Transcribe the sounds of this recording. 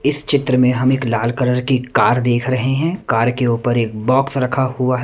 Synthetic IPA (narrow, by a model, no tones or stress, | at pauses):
ɪst͡ʃɪt̪ɾəmẽɦɐmeːklaːlkəɾəɾkikaːɾd̪eːkʰɾɐɦeɦɛ̃ːkaːɾkeuːpəɾeːk̚bɔːksɾɐkʰahuaɦ